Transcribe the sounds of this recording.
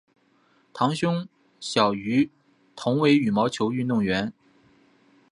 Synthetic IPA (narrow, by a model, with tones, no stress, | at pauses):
t̪ʰɑ˧˥ŋɕʊ˥ŋ | ɕjɑ˨˩ʊy˧˥ | t̪ʰʊ˧˥ŋwe˧˥ɪy˨˩mɑ˧˥ʊt͡ɕʰjo˧˥ʊy˥˧nt̪ʊ˥˩ŋɥɛ˧˥n